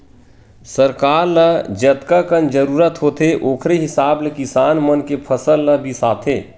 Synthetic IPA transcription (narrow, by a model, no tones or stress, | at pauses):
səɾkaːɾləd͡ʒət̪kakənd͡ʒəɾuːɾət̪ɦoːt̪ʰeʔoːkʰɾeɦɪsaːbləkɪsaːnmənkepʰəsəlːəbʱisaːt̪ʰeː